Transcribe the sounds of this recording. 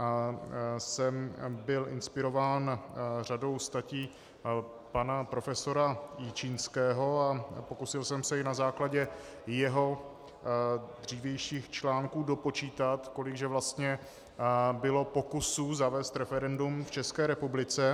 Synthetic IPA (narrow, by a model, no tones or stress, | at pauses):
sɛmbɪlʔɪ̰nspɪɾo̞vaːnr̝ado̞wst̪aciː | panapɾo̞fɛso̞ɾajiːt͡ʃiːnskɛːɦo̞apo̞kusɪlsɛmsɛɪnazaːklaɟɛ | jɛɦo̞ | d̪r̝iːvjɛjʃiːxt͡ʃlaːŋkuːdo̞po̞t͡ʃiːt̪at̪ko̞lɪɡʒɛvlast̪ɲɛ | bɪlo̞po̞kusuzavɛːst̪ɾɛfɛɾɛndumft͡ʃɛskɛːɾɛpublɪt͡sɛ